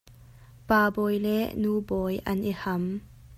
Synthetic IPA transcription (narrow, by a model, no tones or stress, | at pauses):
paːbɔːjlɛʔnuːbɔjʔɐ̰nʔihɐm